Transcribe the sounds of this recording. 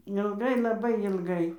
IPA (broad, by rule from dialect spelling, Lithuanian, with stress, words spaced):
ɪlˠˈɡɐɪ lˠɐˈbɐɪ ɪlˠˈɡɐɪ